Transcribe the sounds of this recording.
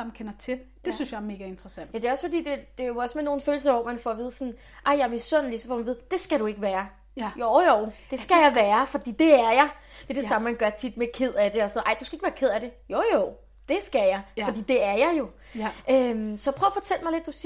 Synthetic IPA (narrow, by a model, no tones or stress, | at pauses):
ɑmn̩kʰenɐt͡sʰe̝ | d̥e̝synsjɑ̈æɐme̝ːɡ̥e̝nd̥ʁɐsæn̰d̥jæde̝ɒ̽sfɒ̽d̥ḭːd̥e̝d̥e̝osemenːo̝ːn̩føːl̩sɐʋɒ̰mænfɒʋiːð̞̩ˠsɔ̽n | ʔɑɪ̰jɑmisɔ̽n̰lisɒfɒ̰ːmænʋiːð̞̩ˠd̥e̝sɡ̥æɾ̥ue̝ɡ̥əʋæːɐ | jojoʊd̥e̝sɡ̥æjɑɪʋæːɐfɒ̽d̥ḭːd̥e̝æɐjɑ̈ɪ | d̥e̝d̥e̝sɑ̈məmænɡ̥ɶɐt͡sʰid̥̚mekʰe̝ð̞̰ˠæd̥e̝ɒsɔnoð̩ˠʔɑ̈ɪd̥usɡ̥æe̝ɡ̥əʋæːɐkʰe̝ð̞̰ˠæd̥e̝jojoʊ | d̥e̝sɡ̥æjɑ̈ɪfɒd̥ḭːd̥e̝æɐjɑ̈ɪjo̝ | ʔømsɒjpʰʁœʊɐfɒ̽t͡sʰel̰mɑɪle̝d̥ːusi